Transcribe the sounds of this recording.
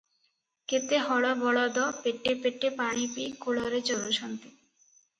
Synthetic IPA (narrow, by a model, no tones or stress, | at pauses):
ket̪eɦɔɽabɔɽad̪ɔpeʈːepeʈːepaɽ̃ipikolɔɾet͡ɕɔɾoʃant̪i